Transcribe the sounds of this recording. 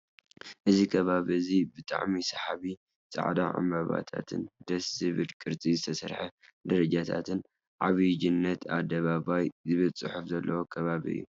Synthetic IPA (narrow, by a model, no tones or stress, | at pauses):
ʔɨzikʰɐβaβizibɨt̪ʼa̰ʕmisɐħaβi | t͡sʼa̰ʕd̪a̰ʕa̰mbɐβa̰t̪ʰa̰t̪ʰɨ̰nd̪̥ɐsɨβɨlkʼɨɾt͡sʼizɨt̪ʰɐsɐɾħad̪ɐɾɐd͡ʒat̪ʰa̰t̪ʰɨn | ʕaβɨd͡ʒinːɐt̪ʰa̰d̪ːɐβabajzɨβɨlt͡sʼɨħufzɐlːʔɐwokʰɐβaβḭɨ̰jːu